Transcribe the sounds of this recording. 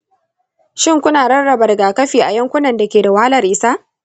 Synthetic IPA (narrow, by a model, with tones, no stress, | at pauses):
ʃɪ˦ŋkʷʊ˦naː˨ɽɐ˦rɽɐ˨bɐ˨rɡaː˨kɐ˦ɸiː˨ʔa˨jɐ˦ŋkʷʊ˦nɐ˨nda˨kʲeː˨da˨waː˦lɐ˦˨rʔɪ˦sa˦ʔ